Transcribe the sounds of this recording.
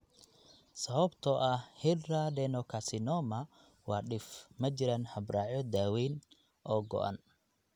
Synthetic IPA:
sɐβɐbt̪ʰɔʔɐhhɪradɛnɔkʰɐsɪnɔːmɐ | wɑːɗɪfmɐt͡ʃɪɾanhɐbraːʕjɔd̪aːwɛjn | ʔɔːɡɔ̰ʔa̰n

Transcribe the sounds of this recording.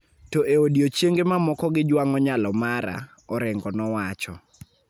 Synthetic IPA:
tɔʔeodiot͡ʃjeŋɡemamɔkɔɡɪd͡ʒwaŋɔɲalɔmaɾa̰ | ɔɾɛŋɡɔnɔwat͡ʃɔ

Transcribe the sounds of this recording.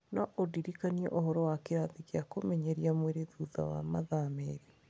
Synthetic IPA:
naʔodiɾikaniɛ̰ʔoɦɔɾɔwakeɾaðikeakomɛɲɛɾiamweɾeðuða̰wa̰maðamḛɾi

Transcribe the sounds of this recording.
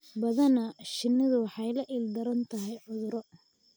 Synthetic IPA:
bɐðɐnɐʃɪnːɪðʊwɑħɑjlɐʔɪld̪ɐɾɐnt̪ʰɐɦɛjʕʊðʊɾɔ

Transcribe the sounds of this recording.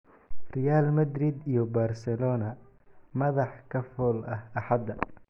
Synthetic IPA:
rɛjaːlmɐd̪ɾɪd̪ijɔbaːrsɛlɔːnɐ | mɐðɑħkʰɐfɔːlɐhɐħɑd̪ɐ

